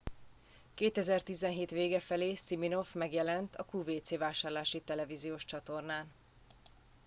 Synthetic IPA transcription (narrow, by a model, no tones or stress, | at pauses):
keːt̪ɛzɛrt̪izɛnɦeːt̪ʋeːɡɛfɛleːsimino̞fmɛɡjɛlɛnt̪ʰɒkuːveːt̪seːvaːʃaːrlaːʃit̪ɛlɛvizijoːʃt͡ʃɒt̪o̞rnaːn